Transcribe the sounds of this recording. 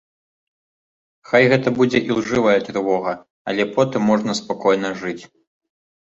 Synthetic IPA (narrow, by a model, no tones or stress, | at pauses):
xajɣɛt̪ɐbud͡zʲɛʔilˠʐɨvɐjɛt̪ɾvɔɣɐ | ɐlʲɛpɔt̪ɨmːɔʐnɐspakɔjnɐʐɨt͡sʲ